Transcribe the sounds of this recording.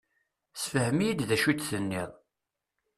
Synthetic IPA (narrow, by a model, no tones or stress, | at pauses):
sfəhəmijid̪ðæʃut͡s̪θənːiðˤ